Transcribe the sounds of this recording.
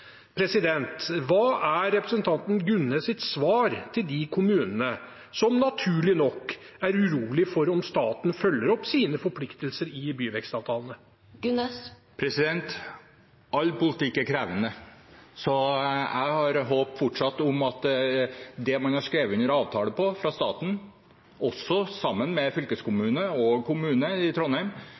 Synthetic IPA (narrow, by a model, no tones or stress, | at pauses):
pʰɾɛsɪd̪ɛnt̪ʋɑːʔæɾːɛpɾəsənt̪ʰɑnt̪nɡʉnːesɪt̪sʋɑːɾt̪ʰɪld̪ɪkʰʊmʉːnənə | sɔmnɑt̪ʰʉːɭɪnɔkː | æɾʉɾuːlɪfɔɾɔmst̪ɑːt̪n̩fœlːəɾɔpsiːnəfɔɾpʰlɪkt̪əlsəɾɪbyːʋɛkst̪ɑːʋt̪ʰɑːlənə | ɡ̥ʉnɛs | pʰɾɛsɪd̪ɛnt̪ | ɑlːpʊlɪt̪ɪkːæɾkʰɾæːʋənəsɔjæ̰ɪhɑɾɦoːpfɔʈʂɑt̪ːɔmɑt̪ | d̪ɛmɑnhɑʂkɾeːʋəʉnəɾɑːʋt̪ʰɑːləpʰɔfɾɑst̪ɑːt̪n̩ | ʔɔsːɔsɑmːənmɛfʏlkəskʊmʉːnəɔkʰʊmʉːnəɪt̪ʰɾɔnhæɪm